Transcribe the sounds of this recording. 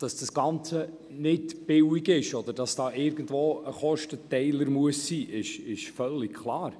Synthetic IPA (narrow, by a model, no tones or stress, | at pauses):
d̥ɑsd̥ɑsɡ̥ɑnt͡sə | nɪtb̥ɪwiɡɪʃɔd̥̪əɾd̥ɑsd̥ɑːʔɪɾɡ̥əndvoːəχɔʃtətɛɪləɾmuəsːiːʔɪʃɪʃfœlːikkʰlˠɑːɾ